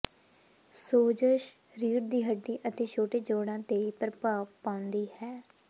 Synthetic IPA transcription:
soːd͡ʒəʃ | ɾiːɾd̪iːɦəɖːiːʔət̪eːt͡ʃʰoːʈeːd͡ʒoːɽãːt̪eːipɾəpaːʋpãːʊnd̪iːhɛː

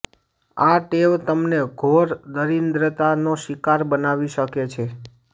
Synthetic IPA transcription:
aʈeʋt̪əmneɡʱoɾd̪əɾind̪ɾət̪anoʃikaɾbənaʋiʃəket͡ʃʰe

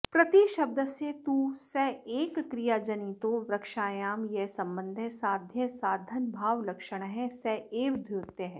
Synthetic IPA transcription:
pɾɐt̪iʃɐb̚d̪ʱəset̪uːsɛeːkːɾijaːd͡ʒənit̪oʋɾɐkʃaːjaːmjɛsɐ̃mbə̃nd̪ʱɛsaːd̪ʱjəsaːd̪ʱənbʱaːʋlɐkʃəɽ̃ɦɛ̃sɛeːʋd̪ʱjoːɾt̪eɦɛ̃ː

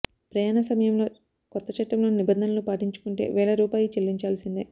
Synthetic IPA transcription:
pɾɐjaːnɐsɐmɐjɐmlo̞ː | kɔt̪ːɐt͡ʃɐʈːɐmlo̞ːnibɐnd̪ʱɐnɐlupaːʈiɲt͡ʃu̥kuɳʈe̞̰ːʋɛːɭɐɾuːpaːjit͡ʃelːiɲt͡ʃaːlɐsind̪e

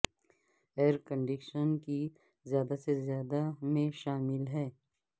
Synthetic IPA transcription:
eːɾkə̃ɳɖɪkʃənki | zjaːd̪asezjaːd̪amẽʃaːmɪlɦɛː

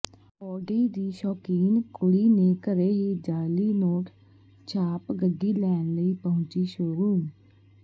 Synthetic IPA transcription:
ɔːɖiːd̪iːʃɔːkiːnkʊɽiːneːkəɾeːɦiːd͡ʒaːliːnoːʈʰ | t͡ʃʰaːpɡəɡiːlɛːnləiːpəɦʊ̃nt͡ʃiːʃoːɾuːn

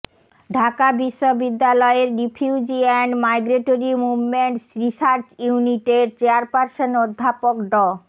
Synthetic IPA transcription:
ɖʱakabiʃːobid̪ːalɔeeɾːipʰjuud͡ʑiɛnmajɡɾeʈoɾimubmeɳʈsɾisaɾt͡ɕjuuniʈeɾt͡ɕeaɾpaɾʃonod̪ʱːapokɖɔ

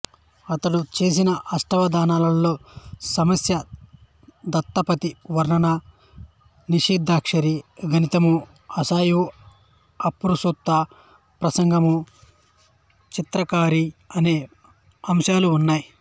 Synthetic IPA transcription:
ɐt̪ɐɽut͡ʃe̞ːs̬inɐʔɐsʈɐʋɐd̪aːnaːlɐlːo̞ːsɐmɐsjɐ | d̪ɐt̪ːɐpɐt̪iʋɐɾɳɐnɐ | niʂiːd̪ʱːaːkʂɐɾiɡʱɐnit̪ɐmu | ɐsaːju | ɐpːuɾusut̪ːa | pɾɐsɐŋɡʱɐmu | t͡ʃit̪ɾɐkaːɾiɐne̞ː | ɐmʃaːluːnːaːji

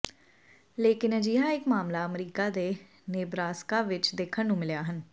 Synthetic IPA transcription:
leːkɪnəd͡ʒiːɦãːɪkmaːmlaːəmɾiːkaːd̪eː | neːbɾaːskaːʋɪt͡ʃd̪eːkʰənnũːmɪljaːɦən

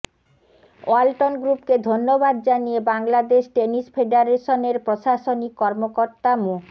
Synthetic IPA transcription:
o̰alʈonɡɾupked̪ʱonːobad̪d͡ʑanijebaŋlad̪eʃʈenispʰeɖaɾeʃoneɾpɾoʃaʃonikːɔɾmokoɾt̪amu

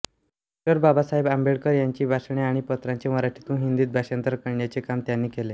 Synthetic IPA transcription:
ɔk̚ʈəɾbabasaɦebambeɽkəɾjaɲt͡ɕiːbʱasɳeaɽ̃ipət̪ɾaɲt͡ɕeməɾaʈʰit̪ũːɦind̪iːt̪̚bʱaɕant̪əɾkəɳjat͡sekamt̪janːiːkele

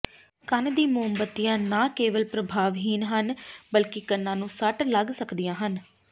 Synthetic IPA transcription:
kənd̪iːmʊəmbət̪ːijãːnaːkeːʋəlpɾəbʱaːʋɦiːnɦənbəlkɪkənːãːnũːsəʈləɡsəkd̪ijãːɦən

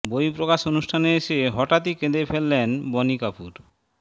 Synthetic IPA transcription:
bojpɾokaʃonuʃʈʰaneeʃeɦɔʈat̪iked̪efelːenbɔnikapuɾ

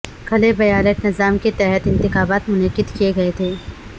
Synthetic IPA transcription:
kʰɐlebɐjaːnəʈ̪nɪzaːmket̪ɛɦɛt̪ɪ̃nt̪ɪxaːbaːt̪mʊnəkːɪd̪kijeɡɐet̪ʰeː

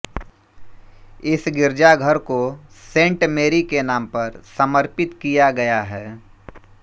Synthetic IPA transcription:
ɪsɡɪɾd͡ʒaɡʱəɾkosẽːɳʈmeːɾikenaːmpɐɾsɐməɾpɪt̪kijaɡɐjaɦɛː

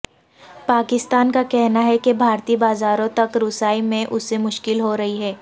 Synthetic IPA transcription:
paːkɪst̪aːnkakɛɦnaɦɛkebʱaːɾt̪iːbaːzaːɾõt̪ɐkɾʊsaːimẽʔʊsːemʊʃkɪlɦoɾɐɦiɦɛː

